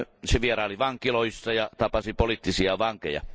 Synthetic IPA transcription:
seʋierɑoliʋɑŋkiloisːɑjɑt̪ɑpɑsipolit̪ːisiɑʋɑŋkḛjɑ̰

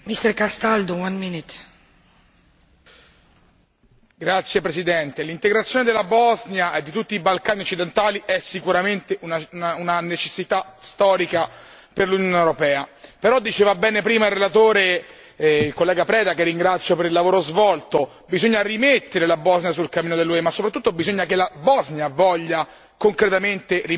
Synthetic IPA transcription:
mist̪ɛɾkast̪ald̪owãnminit̪ | ɡɾat̪sːjepɾesid̪ɛnt̪elint̪eɡɾat̪sjoːned̪elːabɔznjaʔed̪ːit̪ut̪ːiːbalkaːniot͡ʃːid̪ent̪aːliʔɛsːikuɾament̪eunaaunanet͡ʃesːit̪ast̪ɔːɾika | perlunjonewɾopɛːapeɾɔd̪ːit͡ʃeːvabɛːnepɾiːmailrːelat̪oːɾe | ilkolːɛːɡapɾɛːd̪akerːiŋɡɾat̪sːjopeɾilːavoːɾozvɔlt̪o | bizoɲːarimet̪ːeɾelabɔznjas̬ulkamːiːnod̪elːuemasːopɾat̪ːut̪ːobizoɲːakelabɔznjavɔʎːa | koŋkɾet̪ament̪eri

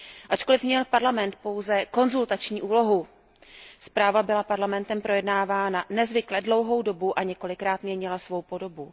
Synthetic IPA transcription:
ʔat͡ʃko̞lɪfmɲɛlpaɾlamɛnt̪̚po̞wzɛko̞nzult̪at͡ʃɲiːʔuːlo̞ɦu | spɾaːvabɪlapaɾlamɛnt̪ɛmpɾo̞jɛdnaːvaːnanɛzvɪklɛdlo̞wɦo̞wdo̞buʔaɲɛko̞lɪkɾaːt̪mɲɛɲɪlasvo̞wpo̞do̞bu

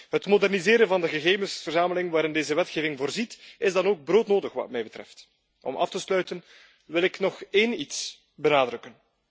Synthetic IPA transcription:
ɦətmodɛrnizeːɾənvɑndəɣəɣeːvənsfərzaːməlɪŋʋaːɾɪndeːzəʋɛtxeːvɪŋvoːrzitɪzdɑnoːɡ̚broːtnoːdəxʋɑ̰tmɛjbətrɛ̰ft | ɔ̰mʔɑ̰ftəslœɥtən | ʋɪlɪknɔxeːnits | bənaːdrɵkən

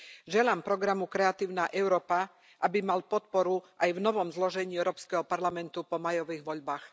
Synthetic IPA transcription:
ʒɛlaːmpɾɔɡɾamukɾɛat̪iːʊnaːʔɛʊɾɔːpa | ʔabimalpɔt̪̚pɔɾuʔajvnɔʋɔmzlɔʒɛɲiːɛʊɾɔːpskɛɦɔpaɾlamɛnt̪upɔmajɔʋiːɣʋɔʎbaːx

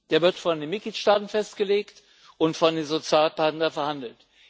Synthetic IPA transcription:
d̥eːɐvɪɐtfɔndeːnmɪt̚ɡ̥liːtʃtaːtn̩fɛst̚ɡ̥əleːkt | ʔʊntfɔndeːnzot͡sjaːlpatn̩dɐfɛɐhandl̩t

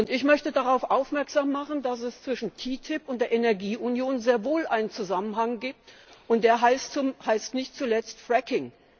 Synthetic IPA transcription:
ʔʊntɪçmœçtədaʁaʊfʔaʊfmɛɐkz̥aːmːaχn̩das̬ɛst͡sv̥ɪʃn̩tʰiːtʰɪpʊnt̚d̥eːɐʔenɛɐɡiːʔunjoːnzeːɐvoːlʔaɪnənt͡suzamənɦaŋɡiːp̚tʔʊntd̥eːɐɦaɪstuhaɪstnɪçtt͡sulɛt͡stfʁ̥ɛkɪŋ

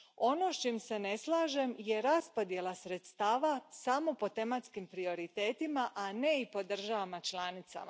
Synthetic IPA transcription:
o̞no̞ʃt͡ʃimse̞ne̞slˠaːʒe̞mje̞ɾaspo̞d̪je̞lasɾe̞t̪st̪aːʋasamo̞po̞t̪e̞mat̪skimpɾio̞ɾit̪e̞ːt̪imaʔane̞ipo̞d̪r̩ʒaʋamat͡ʃlˠaːnit̪sa̰ma

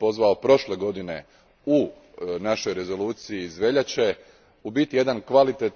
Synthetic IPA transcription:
o̞zʋaopɾo̞ʃle̞ɡo̞d̪ine̞̰ | u | naʃo̞jɾe̞zo̞luːt̪sijiːzʋe̞ʎat͡ɕe̞ | ubit̪ije̞d̪ankʋalit̪et̪

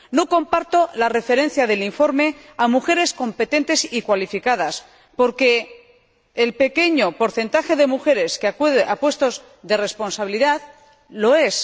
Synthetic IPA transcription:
no̞ko̞mpaɾt̪o̞lare̞fe̞ɾẽ̞n̟θjaðe̞liɱfo̞ɾme̞ | amuxe̞ɾe̞sko̞mpe̞t̪e̞nt̪e̞sikwalifikað̞as | po̞ɾke̞ː | lpe̞ke̞ɲo̞po̞ɾθe̞nt̪axe̞ðe̞muxe̞ɾe̞skeaðapwe̞st̪o̞z | ðe̞re̞spo̞nsaβiliðað | lo̞e̞s

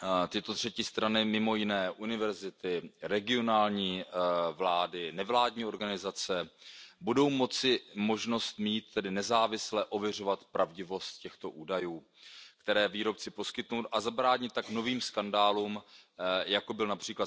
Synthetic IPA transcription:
t̪ɪt̪o̞t̪r̝̥ɛcɪst̪ɾanɪmɪmo̞jɪnɛːʔunɪvɛɾzɪt̪ɪɾɛɡɪo̞naːlɲiːvlaːdɪnɛvlaːdɲiːo̞ɾɡanɪzat͡sɛbudo̞wmo̞t͡sɪmo̞ʒno̞st̪miːt̪ːɛdɪnɛzaːvɪslɛʔo̞vjɛr̝o̞vat̪pɾʔavɟɪvo̞st̪̚cɛxt̪o̞ʔuːdajuː | kt̪ɛɾɛːviːɾo̞p̚t͡sɪpo̞skɪt̪nuwt̪ʔazabɾaːɲɪt̪ːakno̞viːmskandaːluːm | jakobɪlnapr̝̥iːkla

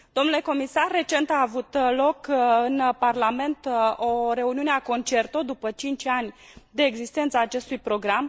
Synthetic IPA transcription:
d̪o̞mnule̞ko̞misarːe̞t͡ʃe̞nt̪aːvut̪lo̞kɨnparlame̞nt̪o̞ɾe̞uniuneako̞nt͡ʃe̞rt̪od̪upət͡ʃint͡ʃʲanʲ | d̪e̞ːɡzist̪ent̪səaːt͡ʃe̞st̪ujpɾo̞ɡɾam

